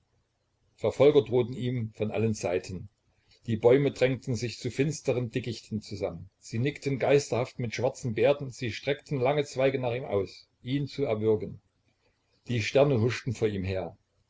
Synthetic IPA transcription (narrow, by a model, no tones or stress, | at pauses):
fɛɐfɔlɡɐdʁoːtn̩iːmfɔnʔa̰lənzaɪtʰən | d̥iːbɔʏmədʁɛŋtn̩zɪçt͡sufɪnstəʁəndɪkɪçtn̩t͡suzamənz̥iːnɪktənɡaɪstɐhaftmɪtʃv̥aɐt͡sn̩beːɐdn̩z̥iːʃtʁ̥ɛktn̩laŋət͡sv̥aɪɡənaːχiːmʔa̰ʊs | ʔiːnt͡suɛɐvʏɐɡən | d̥iːʃtɛɐnəɦʊʃtn̩foːɐiːmɦeːɐ